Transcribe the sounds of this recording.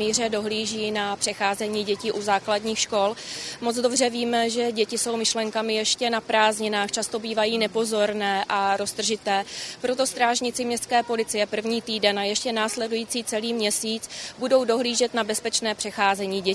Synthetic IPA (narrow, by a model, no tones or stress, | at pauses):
iːr̝ɛdo̞ɦliːʒiːnapr̥ɛxaːzɛɲiːɟɛciːʔuzaːkladɲiːxʃko̞lmod͡zdo̞br̝ɛviːmɛʒɛɟɛcɪso̞wmɪʃlɛŋkamɪjɛʃcɛnapɾaːzɲɪnaːxt͡ʃast̪o̞biːvajiːnɛpo̞zo̞ɾnɛːʔaɾo̞st̪r̩ʒɪt̪ɛːpɾo̞t̪o̞st̪ɾaːʒɲɪt͡sɪmɲɛst̪kɛːpo̞lɪt͡sɪjɛpr̩vɲiːt̪iːdɛnajɛʃcɛnaːslɛdujiːt͡siːt͡sɛliːmɲɛsiːt͡sbudo̞wdo̞ɦliːʒɛt̪nabɛspɛt͡ʃnɛːpr̥ɛxaːzɛɲiːɟɛ